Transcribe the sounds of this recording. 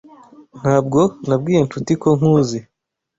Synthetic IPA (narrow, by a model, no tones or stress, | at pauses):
n̥haːbɡo̞nabɡiːje̞nt͡ʃutiko̞ŋ̥huːzi